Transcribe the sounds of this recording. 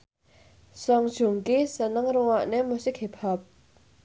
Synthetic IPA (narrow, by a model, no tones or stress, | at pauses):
sɑŋɕuŋkisanaŋrɑŋwaʔnemoɕekʰepʰap̚